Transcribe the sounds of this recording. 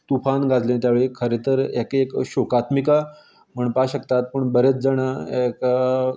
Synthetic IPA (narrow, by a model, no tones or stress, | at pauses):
t̪ufanɡad͡zlẽnt̪jaʋeɭekʰəɾet̪əɾɛkekɕokat̪mika | m̤əɳpaɕəkt̪at̪̚pəɳbəɾet͡s̚d͡zəɽ̃aka